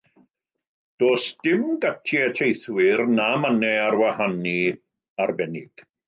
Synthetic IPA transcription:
d̥oːsd̥ɪmɡatʰjɛtʰejθwɪrnamənɛarwahani | arbɛnɪɡ̥

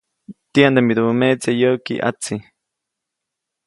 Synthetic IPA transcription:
t̪iand̪emiɾumet͡sejokḭʔa̰t͡si

